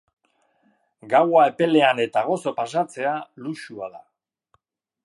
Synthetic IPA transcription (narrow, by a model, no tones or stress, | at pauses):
ɡawae̞pe̞le̞ane̞t̪aɣ̞o̞so̞pas̬at͡se̞aluʃua̰ða